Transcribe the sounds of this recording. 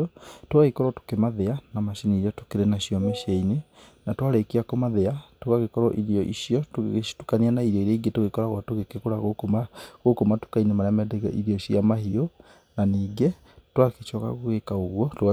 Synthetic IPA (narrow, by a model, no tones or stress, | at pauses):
twɣaɣikɔɾɔto̥kemaðeanamaʃiniɾiatokeɾenaɕiɔmeʃeine | natwaɾekeakɔmaðeatoɣaɣekɔɾɔʔiɾiɔʔiʃiɔto̥tukanianaiɾɔiɾeiɡetoɣekɔɾaɣwatoɣekekoɾaɣokomaɣokomato̥kainemaɾɛamɛdɛɣɛiɾiɔiʃiamaɦiɔ | naniːɡe | twaket͡ʃɔka̰ɣoɣekaoɣwɔtoɣa